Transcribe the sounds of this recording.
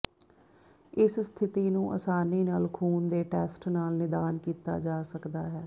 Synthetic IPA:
ɪsst̪ʰɪt̪iːnũːʔə̰saːniːnaːlkʰuːnd̪eːʈɛːsʈnaːlnɪd̪aːnkiːt̪a̰ːd͡ʒaːsəkd̪aːɦɛː

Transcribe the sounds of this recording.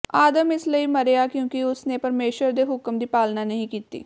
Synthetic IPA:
aːd̪əmɪsləiːməɾeːaːkjõːkɪʊsnẽːpəɾmeːʃəɾd̪eːɦʊkəmd̪iːpaːlnaːnəɦĩːkiːt̪ḭː

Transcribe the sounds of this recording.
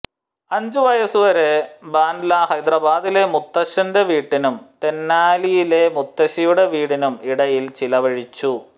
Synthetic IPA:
ɐɲd͡ʑuʋɐjɐsuʋɐɾebaːnlahɐjd̪rɐbaːd̪ile̞mut̪ːɐɕɐnde̞ʋiːʈːinumt̪e̞nːaːlijile̞mut̪ːɐɕijuɽeʋiːɽinumiɽɐjilt͡ɕilɐʋɐɻit͡ɕːu

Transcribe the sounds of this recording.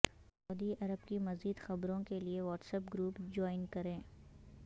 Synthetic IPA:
sɐʊd̪iʔɐɾəbkimɐziːd̪xɐbɾõkelieʋɔːʈsəpɡɾuːpd͡ʒɔːɪnkɐɾẽː

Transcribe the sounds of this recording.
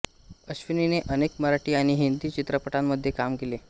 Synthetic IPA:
əɕʋinineʔənekməɾaʈiːaɽ̃iɦind̪iːt͡ɕit̪ɾəpəʈamːəd̪ʱːjekamkele

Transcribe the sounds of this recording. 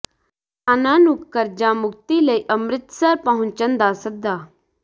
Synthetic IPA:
ənaːnukːəɾd͡ʒamʊk̚t̪iləiʔɐmɾɪt̪səɾpɐɦʊ̃ɲt͡ʃənd̪asək̚d̪aː

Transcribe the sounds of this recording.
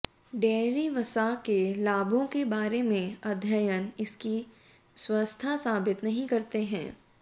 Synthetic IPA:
ɖɛːɾiʋɐsakelaːbʱõkebaːɾemẽɐd̪ʱjəjənɪski | swɐst̪ʰasaːbɪt̪nɐɦĩkɐɾt̪eɦɛ̰̃ː

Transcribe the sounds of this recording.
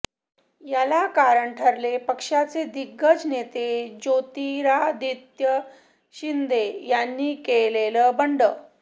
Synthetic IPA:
jalakaɾəɳʈʰəɾlepəkʂat͡sed̪iɡːəd͡znet̪ed͡ʑot̪iɾad̪it̪jə | ɕind̪ejanːiːkeleləbəɳɖəː

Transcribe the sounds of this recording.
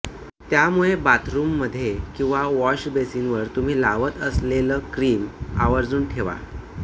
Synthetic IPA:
t̪jamuɭebat̪ʰɾumːəd̪ʱːjekĩw̃ʋaʋɔɕbesinʋəɾt̪um̤iːlaʋət̪əsleləːkɾiːma̰ʋəɾd͡zuːnʈʰeʋa̰

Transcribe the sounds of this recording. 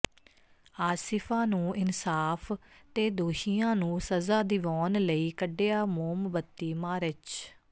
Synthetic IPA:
aːsɪpʰãːnũːʔɪnsaːpʰt̪eːd̪oːʃijãːnũːsəzaːd̪ɪʋɔːnləiːkəɖːeːaːmoːmbət̪ːiːmaːɾɪt͡ʃ

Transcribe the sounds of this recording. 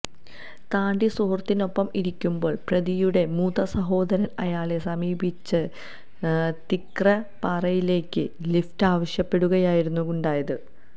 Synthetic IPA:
t̪aːɳɖisoːrt̪ːino̞pːɐmiɾikʲːumbo̞ːɭprɐðijuɽe̞muːðɐsɐɦo̞ːd̪ɐɾɐnɐjaːɭe̞sɐmiːbit͡ɕːɨ | t̪ikrɐpɐrɐjile̞ːkʲːɨliftaːʋɐɕjɐpːe̞ɽuɣɐjaːjiɾunːuɣuɳɖaːjɐðɨ

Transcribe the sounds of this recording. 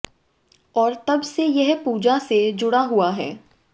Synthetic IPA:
ɔːɾt̪ɐbsejɛɦpuːd͡ʒased͡ʒʊɽaɦuaɦɛ̰ː

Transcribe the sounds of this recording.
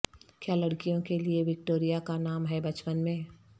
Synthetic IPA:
kjaːlɐɽkijõkelieʋɪk̚ʈoːɾijakanaːmɦɛbɐt͡ʃpənmẽː

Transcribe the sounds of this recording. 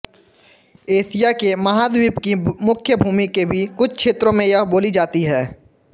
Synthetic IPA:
eːsijakemɐɦaːd̪wiːpkimʊkʰjəbʱuːmikebʱikʊt͡ʃʰkʃʰeːt̪ɾõmẽjɐɦboːlid͡ʒaːt̪iɦɛː

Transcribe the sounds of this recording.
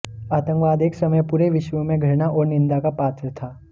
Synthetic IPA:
aːt̪ə̃ŋkʋaːd̪eːksɐməjpuɾeʋɪʃʋəmẽɡʱɐɽnaʔɔːɾnɪ̃nd̪akapaːt̪ʰɾət̪ʰaː

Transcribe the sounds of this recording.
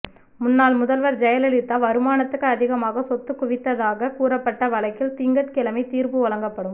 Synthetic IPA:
mʊnːaːlmʊðɐlʋɐɾd͡ʒɛjɐlɛlɪt̪ːaːʋɐɾɯmaːnɐt̪ːɯkːɯɐðɪɣɐmaːɣɐsɔt̪ːɯkːʊʋɪt̪ːɐðaːɣɐkuːɾɐpːɐʈːɐʋɐlɐɪkːɪlt̪ɪŋɡɐʈkɪlɐmɐɪt̪iːɾbɯɔlɐŋɡɐpːɐɽɯm

